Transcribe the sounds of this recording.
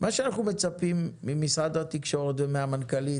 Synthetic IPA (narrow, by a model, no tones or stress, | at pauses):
mʔaʃeanaχnume̞t͡sapimːimisʁad̪hat̪ikʃo̞ʁet̪vemeamankali